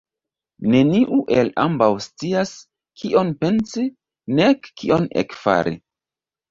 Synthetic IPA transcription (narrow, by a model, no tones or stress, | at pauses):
ne̞niʔuʔe̞lambawst͡sias | kʰiʔo̞npe̞nsi | nekːiʔo̞nḛkfa̰ɾʔḭ